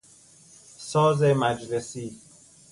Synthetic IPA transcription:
sɒːzemæd͡ʒlesiː

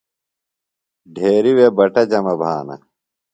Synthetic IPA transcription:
ɖʱeːɾiwebɐʈɐd͡ʑɐmɐbʱaːnɐ̰

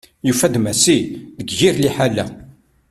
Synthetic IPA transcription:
jufæd̪mæsiðəɡʝiɾliħalːæ

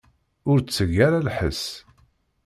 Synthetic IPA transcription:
ʊɾt͡sːəʝaɾalħə̰s

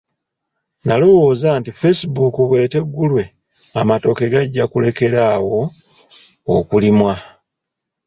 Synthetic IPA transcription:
nalo̞wo̞ːzaːntife̞sibukuβwe̞ːte̞ɡːulwe̞ | amato̞ke̞ɡaɟːakule̞ke̞ɾawo̞ | kulimwa

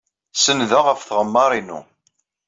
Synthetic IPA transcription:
sənðaʁəfθʁəmːɑɾˤinṵ

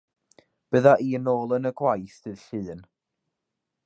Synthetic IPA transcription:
b̥əðaʔiːənoːlˠənəɡwajstʰɨðɬɨːn

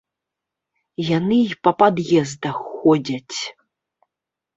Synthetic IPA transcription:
janɨpɐpad̪jɛzd̪ɐxːɔd͡zʲɐt͡sʲ

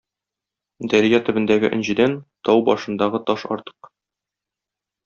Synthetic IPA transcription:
d̪ɒɾijɑt̪ɵ̆bɘ̆nd̪æɡɘ̰ʔɘ̆nʑɘ̆d̪ænt̪ɒwbɒʃɤ̆nd̪ɑʁɤt̪ɒʃɒ̰ɾt̪ɤ̥q

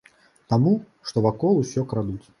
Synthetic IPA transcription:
t̪amu | ʂt̪ɔvakɔlˠusʲɔkɾad̪ut͡sʲ

